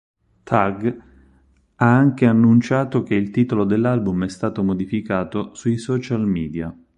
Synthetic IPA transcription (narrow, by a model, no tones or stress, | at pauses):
t̪ʰaɡ | aaŋk̟eanːunt͡ʃaːt̪ok̟eilt̪iːt̪olod̪elːalbumɛst̪aːt̪omod̪ifikaːt̪osujsɔːt͡ʃalmiːd̪ja